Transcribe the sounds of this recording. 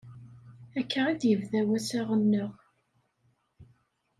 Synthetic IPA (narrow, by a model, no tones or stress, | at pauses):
ækʰːəʁid̪jəvðæwæsæʁənːəʁ